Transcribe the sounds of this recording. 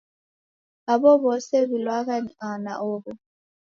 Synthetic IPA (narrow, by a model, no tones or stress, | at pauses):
aβɔβɔseβilwaɣaniana̰ʔoːβɔ